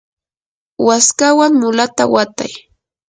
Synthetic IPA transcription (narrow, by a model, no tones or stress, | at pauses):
waskawaŋmʊlat̪awat̪a̰j